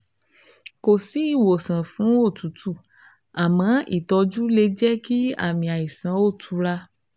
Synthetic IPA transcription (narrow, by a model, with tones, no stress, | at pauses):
ko˨si˨˦i˦˨wo˨sã˨fũ˨˦o˦˨tu˨˦tʰu˦˨ | a˨mã˨˦ḭ˦˨tɔ˧d͡ʒu˦le˧d͡ʒɛ˦ki˦a̰˦˨mĩ˧a˨i˨sã˨˦o˦˨tʰu˧ɾa˧